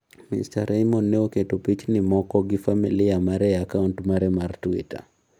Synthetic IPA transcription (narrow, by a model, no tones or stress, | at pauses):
mḭstaɾʔɛjmɔnːɛoketupit͡ʃnɪmɔkɔɡifamiliamaɾɛakaʊntmaɾɛmaɾtuḭta̰